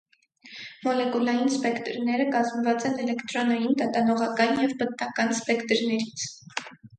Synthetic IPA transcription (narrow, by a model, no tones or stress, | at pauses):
mɔlɛkulɑjinspɛkt̪ɾnɛɾəkɑzmvɑt͡sɛnɛlɛkt̪ɾɔnɑjind̪ɑt̪ɑnɔʁɑkɑnjɛvbət̪̚nɑkɑnspɛkt̪ɾnɛɾit͡sʰ